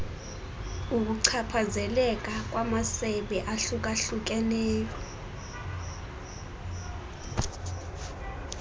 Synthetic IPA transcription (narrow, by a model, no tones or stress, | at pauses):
uk̬uǀʰapʰazɛlɛk̬ʼak̬ʼwamasɛɓɛʔaɬukʼaɬuk̬ɛlɛːjɔ